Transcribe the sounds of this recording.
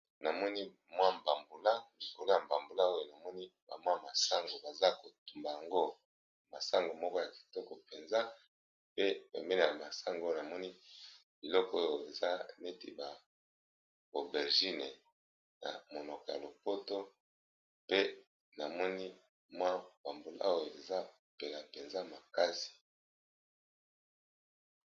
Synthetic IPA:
na˨mɔ˦ni˦ | mwa˦m˨ba˨mbu˨la˦m˨vo˨la˨m˨ba˨mbo˨la˦o˦jo˨na˨mɔ˦ni˦ba̰˨mwa˦˨ma˨sa˦ŋɡo˨ba˨za˦ko˨tu˨mba˨ja˨ŋɡo˦ | ma˨sa˦ŋɡo˨mɔ˦kɔ˦ja˨ki̥˨tɔ˦kɔ˨pe˨nza˦ | pe˦pḛ˨mbe˦le˦˨ja˨ma˨sa˦ŋɡo˦jo˨a˨mɔ˦ni˦bi˨lɔ˦ko˦jo˨e˨za˦ne˦ti˦ba˨ | o˨bɛ˨ʁʒi˦ne˨ | na̰˨mo˨nɔ˨kɔ˨ja̰˨lo˨po˦to˦ | pe˦ | na˨mɔ˦ni˦ | mwa˦b̥a˨mbo˨la̰˦a˦wo˨e˨za˦ | pe˨la˨pe˨nza˦ma˨ka˦si̥˨

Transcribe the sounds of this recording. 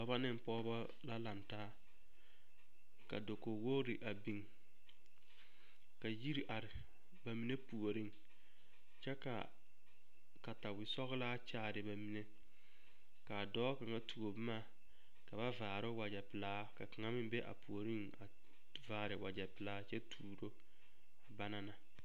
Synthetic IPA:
ɔ˦ba˦nɪ˦ŋ˨pɔː˦bɔ˦ | la˦la˨ntaː˦ | ka̰˨do˨ko˨wo˦ɾɪ˨ʔa˨bi˨ŋ | ka˨ji˦ɾi˨ʔa˨ɾɪ˨ | ba˨mi˨ne˦pu˨o˨ɾi˦ŋ | t͡ʃɛ˦ka̰˨ | ka˨ta˨wɪ˨sɔ˦ɣɪ˦laː˦t͡ʃaː˦˨ɾɪ˨ba˨mi˨ne˦ | ka˨dɔː˦ka˨ŋa˦tʰu˨o˨bmaː˦˨ | ka˨ba˦vaː˨ɾo˦wa˨d͡ʒɛ˨pɪ˨laː˦ka˨ka˨ŋa˦mɪ˦bɛ˦ʔa̰˨pu˨o˨ɾi˦ŋ | a˨ | vaː˨ɾɪ˨wa˨d͡ʒɛ˨pɪ˨laː˦t͡ʃɛ˦tʰuː˨ɾo˦ | a˨ba˦na˨na˨

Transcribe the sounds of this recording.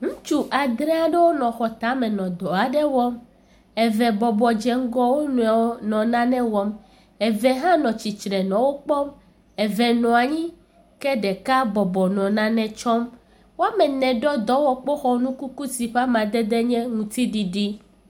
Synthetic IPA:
ŋũ˦t͡ʃu˦ʔa˨d̪ɾɛ˦a˨ɖɛ˦wo˦nɔ̃˨xɔ˨t̪a˨˦mɛ̃˨nɔ̃˨d̪ɔ˨a˨ɖɛ˦wɔ˦m | ɛ˨vɛ˨bɔ˨bɔ˨d͡ʒɛ˨ŋ̩˦ɡɔ˦wo˦nũ˨a˨wo˦nɔ̃˨nã˦nɛ̃˦wɔ˨m | ɛ˨vɛ˨ɦã˦nɔ̃˨t͡ɕi˨t͡ʃɾɛ˨nɔ̃˨wo˦k͡pɔ˦m | ɛ˨vɛ˨nɔ̃˨a˨ɲĩ˦ | kɛ˦ɖɛ˨ka˦bɔ˨bɔ˨nɔ̃˨nã˦nɛ̃˨t͡ʃɔ˦m | wo˦a˦mɛ˨nɛ̃˨ɖɔ˦d̪ɔ˦wɔ˨k͡po˦xɔ˦nũ˦ku˦ku˦si˨ɸa˦mã˨d̪ɛ˦d̪ɛ˦ɲɛ̃˦ŋũ˨t̪i˦ɖi˨ɖi˦

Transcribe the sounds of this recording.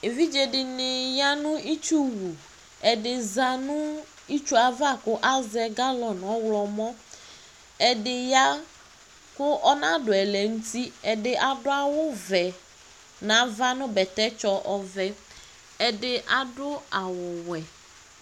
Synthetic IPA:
e˨vi˦d͡ʒɛ˨dɪ˨nɪ˨ja˦nʊ̃˦ʔi˦t͡ʃu˦wu˨ | ɛ˨dɪ˨za˨nʊ̃˦ | i˦t͡ʃu˦a˨va˦kʊ˦ʔa˦zɛ˦ɡa˦lɔ˨n˨ɔ˦wlɔ˨mɔ̃˦ | ɛ˨dɪ˨ja˦ | kʊ˦ʔɔ˦nã˦dʊ˨ɛ˨lɛ˨ŋu˦ti˦ɛ˨dɪ˨ʔa˨dʊ˦a˦wʊ˦vɛ˨ | nã˨˦va˦nʊ̃˦bɛ˨t̪ɛ˦t͡ʃɔ˦ʔɔ˨vɛ˨˦ | ɛ˨dɪ˨ʔa˨dʊ˦a˨wʊ˨wɛ˨

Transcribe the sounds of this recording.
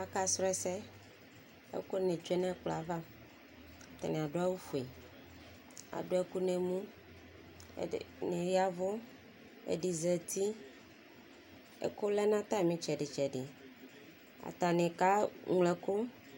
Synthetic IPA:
a˨ka˦sɾɔ˦ɛ˨˦sɛ˦ | ḛ˦ko˦nẽ˨d͡ʒɛ˦nã˦k͡plo˨a˨va˦ | a˨t̪a̰˨nẽ˨a˨ɖo˦a˦wu˦fu˨e˨ | a̰˨ɖo˨˦e˦ku˦nẽ˨mũ˦˨ | nẽ˨ja˦vo˦ | ḛ˨ɖi˨zɛ˨t̪i˦ | ḛ˦ko˦lɛ˦nã˦t̪a˦˨mĩ˦t͡ʃɛ˨ɖe˨t͡ʃɛ˨ɖe˨ | a̰˨t̪a˨nẽ˨ka˦ŋlɛ˨ko˦

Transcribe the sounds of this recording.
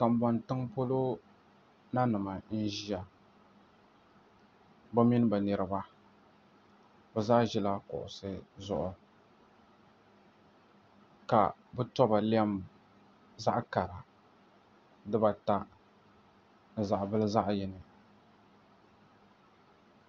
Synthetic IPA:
ka˨m˨bɔ˨ntɨ˦ŋpo˦lo˦ | na˦nɨ˨ma˨n̩˦ʒi˦a˨ | ba˦mi˦n˦ba˨nɛ˨ɾɨ˨ba˦ | bɛ˨zaː˦ʒi˦la˦kʊ̰˨ʔʊ̰˨sɨ˦zʊ˦ʔʊ˨ | ka̰˨bɨ˦tɔ˦ba˨li˦a˦m | za̰˦ʔka˨ɾa˨ | dɨ˦ba˨ta˦ | nɨ˨za˨ʔbɨ˦lɨ˦za˦ʔjɛ˦nɨ˨

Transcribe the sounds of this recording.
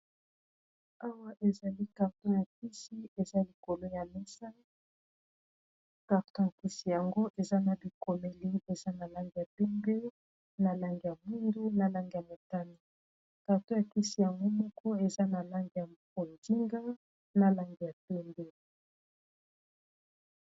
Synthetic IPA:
a˦wa˦ʔe˨za˨li˦ka˨ʁto˦ja˨ki˦si˦e˨za˦li˨ko˨lo˦ja˨mɛ˦sa˦ | ka˨ʁto˦ja˨ki˦si˨ja˨ŋɡo˦ʔe˨za˦na˨bi˨ko˨me˨li˦e˨za˦na˨la˦ŋɡi˨ja˨pɛ˦mbe˦ | na˨la˦ŋɡi˨ja˨mi˦ndu˦na˨la˦ŋɡi˨ja˨mo˨ta˦ni˨ | ka˨ʁto˦ja˨ki˦si˨ja˨ŋɡo˦mɔ˦kɔ˦e˨za˦na˨la˦ŋɡi˨ja˨ | o˨ndi˦ŋɡa˦ | na˨la˦ŋɡi˨ja˨pɛ˦mbe˦

